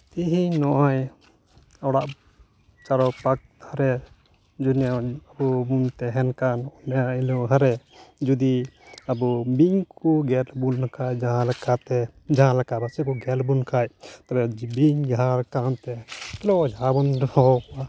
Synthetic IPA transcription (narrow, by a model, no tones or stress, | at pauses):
t̪iɦiɲnɔʔaj | ɔɽaʔ | t͡ʃaɾɔpak̚ʰaɾɛ | d͡ʒunaabumunt̪ɛɦɛnkanɔnɛailuʔɦaɾɛ | d͡ʒud̪iabubiɲkuɡɛlbunːakʰajd͡ʒaɦãlɛkat̪ɛd͡ʒaɦãlɛkabasɛkɔɡɛlbunkʰajt̪abɛbiɲɡʱaɾkant̪ɛkɛlɔd͡ʒʱabunɾɔɔkɔa